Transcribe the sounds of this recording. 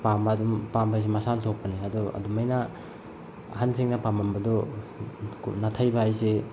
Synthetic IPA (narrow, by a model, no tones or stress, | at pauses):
pamadumpambajs̬emasantʰok̚pːɐniadɔɐ̰dumajna | hanseŋnapambambɐdɔ | knatʰajbaajse